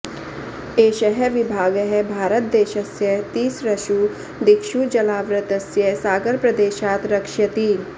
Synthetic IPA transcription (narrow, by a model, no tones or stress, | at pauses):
eːʃɐɦɛʋɪbʱaːɡɦɛbʱaːɾət̪̚d̪eːʃɐsjɐt̪iːsɾɐʃuː | d̪ɪkʃud͡ʒɐlaːʋɾɐt̪ɐsjɐsaːɡəɾpɾɐd̪eːʃaːt̪ɾɐkʃɐt̪iː